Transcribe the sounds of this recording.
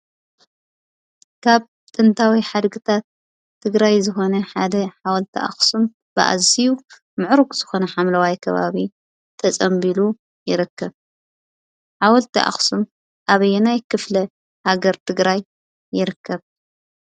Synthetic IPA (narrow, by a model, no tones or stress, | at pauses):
kʰaβ | t̪ʼɨnt̪ʰawiħad̪ɡɨt̪ʰat̪ʰː | ɨɡɾajzɨxo̞nɐħad̪ɐħawɐlt̪ʰiʔa̰xsum | b̥ɨ̰ʔa̰ziju | mɨʕɾukʼz̥ɨxo̞nɐħamlɐwajkʰɐβa̰βi | t̪ʰɐt͡sʼɐmbilu | jɪɾɨkːɐβ | ħawɐlt̪ʰiʔa̰xsum | ʔaβɐjɛnajkʰɨflɐ | haɡɐɾt̪ʰɨɡɾajː | ɪɾɨkːɐβ